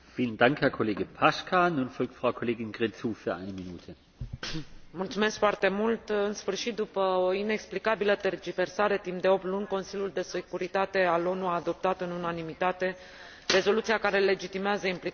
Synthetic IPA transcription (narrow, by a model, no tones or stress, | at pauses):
fiːləndaŋkhɛɐkʰoleːɡəpʰaʃkʰanuːnfɔlk̚t̪fʁaʊkʰoleːɡɪnɡʁet͡suːfyːɐʔa̰ɪnəminuːtʰə | mult̪sume̞skfoart̪e̞mult̪ɨnsfɨrʃit̪̚d̪upəoine̞ksplikabilət̪erd͡ʒive̞rsaɾe̞t̪impd̪e̞o̞p̚t̪lunʲko̞nsilʲjuld̪e̞se̞kuɾit̪at̪e̞alo̞nuaːd̪o̞p̚t̪at̪ɨnunanimit̪at̪e̞ | re̞zo̞lut̪siakaɾe̞le̞d͡ʒit̪imeazəimpli